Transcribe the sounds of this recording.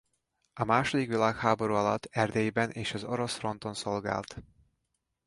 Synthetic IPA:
ɒmaːʃod̪ikʋilaːkhaːbo̞ɾuːɒlɒt̪ːɛrd̪eːjbɛnʔeːʃɒzo̞ɾo̞sfro̞nt̪o̞nso̞lɡa̰ːlt̪

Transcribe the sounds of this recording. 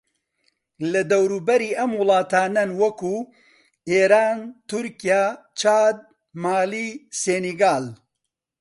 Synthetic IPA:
lɐd̪ɐwɾuːbɐɾiːʔɐmwʊlˠɑːt̪aːnɐnwɐku | eːɾaːnt̪ʊɾkijaː | t͡ʃaːd̪̚ | maːliːseːniɡaːl

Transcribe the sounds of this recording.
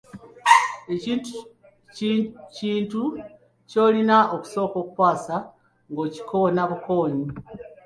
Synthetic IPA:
e̞ciːntu | ciːntu | co̞ːlinaoku̥so̞ːko̞ːkukwaːsa | ŋɡo̞ːci̥kʰo̞naβuko̞ːɲi

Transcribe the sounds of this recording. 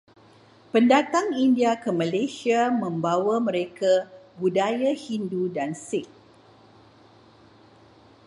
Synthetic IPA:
pəndat̪aŋindiakəmalesiamə̃mbawamə̃ɾekabudajahindudansɪk̚

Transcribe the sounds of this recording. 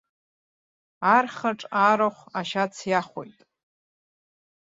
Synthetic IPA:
arχaʈ͡ʂʼaɾaχʷaʃat͡sʰjaχʷo̰jtʼ

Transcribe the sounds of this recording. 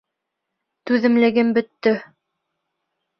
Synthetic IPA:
t̪ʉðɘ̆mlɘ̆ɡɘmbɵ̆t̪ːɵ

